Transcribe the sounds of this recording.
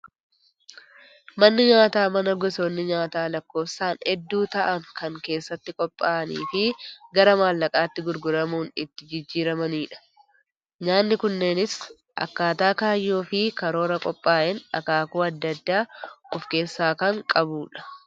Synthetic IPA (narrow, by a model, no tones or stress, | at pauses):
mɐnːɪɲaːt̪aːmɐnɐɡɔsoːnːɪɲaːt̪aːlɐkːo̞ːfsaːnhɛd̪ːuːt̪ɐʔɐŋkʰɐŋke̞ːsːɐt̪ːɪkʼɔpʼːaːʔɐnḭːfɪɡɐɾɐmaːlːɐkʼaːt̪ːɪɡʊɾɡʊɾɐmuːnɪt̪ːɪd͡ʒɪd͡ʒːiːɾɐmɐniːᶑɐ̥ | ɲaːnːɪkʊnːe̞ːnɪs | ʔɐ̰kːaːt̪aːkaːjːoːfɪkɐɾo̞ːɾɐkʼɔpʼːaːʔɛnɐ̰kaːkuːɐd̪ːɐd̪ːaːɔfke̞ːsːaːkɐŋkʼɐbuːᶑɐ̥